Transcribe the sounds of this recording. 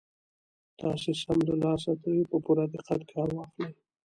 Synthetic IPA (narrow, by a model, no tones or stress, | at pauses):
t̪ɑsesamləlɑsat̪awipəpuɾad̪iqat̪kʰɑɾwɑxle